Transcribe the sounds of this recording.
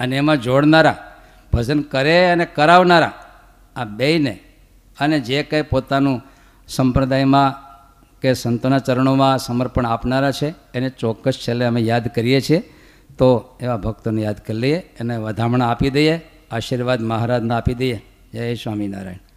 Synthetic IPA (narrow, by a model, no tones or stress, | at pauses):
əneːmãd͡ʒoɽnaɾa | b̥ʱəd͡ʒənkəɾeənekəɾaʋnaɾa̰ | abeine | əned͡ʒekajpot̪anũ | səmpɾəd̪ajmã | kesənt̪onat͡ʃəɾəɳomãsəməɾpəɳapnaɾat͡ʃʰeːnet͡ʃɔkːəst͡ʃʰeleəmejad̪kəɾijet͡ʃʰie | t̪oeʋabʱək̚t̪onejad̪kəɾlijeːneʋəd̪ʱamɳaapid̪əje | aʃiɾʋad̪məɦaɾad̪nãapid̪əje | d͡ʒajesʋamina̰ɾa̰in